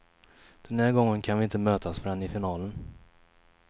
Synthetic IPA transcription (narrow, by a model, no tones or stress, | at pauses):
d̪̥ɛnhæːɾɡɔŋːənkʰanvɪɪnt̪əmøːt̪asfœɾɛnːɪfɪnɑːlən